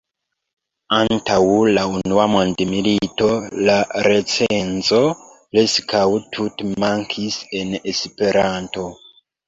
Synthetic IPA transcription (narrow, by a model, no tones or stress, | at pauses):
antawlaunuamondemilito̞laɾe̞t͡seenzo̞pleskʰawtʰutmaŋkʰise̞nespe̞ɾanto̞